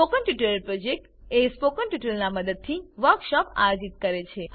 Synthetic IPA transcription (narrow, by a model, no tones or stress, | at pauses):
spokənʈjuʈələɾpɾod͡ʒek̚ʈespokənʈjuʈəlnaməd̪əd̪̚t̪ʰiʋəɾkʃɔpa̰jod͡ʒit̪̚kəɾet͡ʃʰe